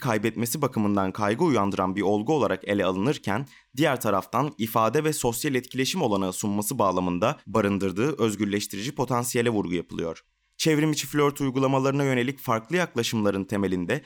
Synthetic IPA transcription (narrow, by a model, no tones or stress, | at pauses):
kʰajbɛt̪me̞sibakʰɯmɯnd̪ankʰajɡɯujand̪ɯɾanbiɾo̞lˠɡuo̞lˠaɾake̞lʲɛalˠɯnɯɾcʰæn | d̪ijæɾt̪ʰaɾaft̪ʰanifaːd̪ɛvɛso̞sjalʲɛt̪cʰilʲeʃimo̞lˠanasummasɯbaːlˠamɯnd̪abaɾɯnd̪ɯɾd̪ɯːʔø̞zɟyɾlʲɛʃt̪ʰiɾid͡ʒipʰo̞t̪ʰansijelʲɛvuɾɡujapʰɯlˠɯjo̞̰ɾ̥ | t͡ʃʰevɾimit͡ʃʰi̥flʲøɾt̪ʰujɡulˠamalˠaɾɯnajø̞ne̞lʲicfaɾklˠɯjaklˠaʃɯmlˠaɾɯnt̪ʰe̞me̞lʲind̪ɛ